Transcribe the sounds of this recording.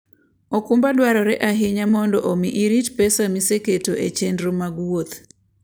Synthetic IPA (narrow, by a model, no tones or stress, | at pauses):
okumbadwaɾɔɾɛʔaɦɪɲamɔndɔʔomiʔiɾitpɛsamiseketoʔet͡ʃendɾomaɡwot̪